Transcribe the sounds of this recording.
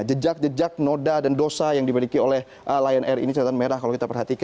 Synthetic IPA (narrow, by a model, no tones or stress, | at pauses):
d͡ʒəd͡ʒak̚d͡ʒəd͡ʒak̚nodadandosajaŋdibalikiolɛh | ʔəlajɛnʔɛrḭnit͡ʃəɾat̪anmeɾahkalowkit̪apərɦat̪ika